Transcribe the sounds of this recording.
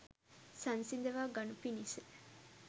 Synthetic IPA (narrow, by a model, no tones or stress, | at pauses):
sɐnsind̪eʋaːɡɐnupinise